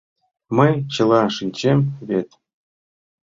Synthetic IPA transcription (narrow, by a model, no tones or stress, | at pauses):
mɤjt͡ɕɤ̆lˠɑʂɨnʲt͡ɕemʲvʲet̪ʲ